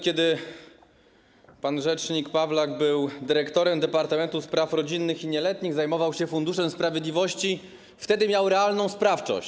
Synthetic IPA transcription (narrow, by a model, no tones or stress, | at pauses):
kʲjɛd̪ɘ | panʐɛt͡ʂɲikpavlaɡ̚bɘwd̪ɘɾɛkt̪ɔɾɛmd̪ɛpaɾt̪amɛnt̪uspɾafɾɔd͡ʑinːɘxiɲɛlɛt̪ɲiɣzajmɔvawɕɛfund̪uʂɛmspɾavʲjed̪lʲivɔɕt͡ɕi | ft̪ɛd̪ɘmʲjawɾɛalnɔ̃w̃spɾaft͡ʂɔ̰ɕ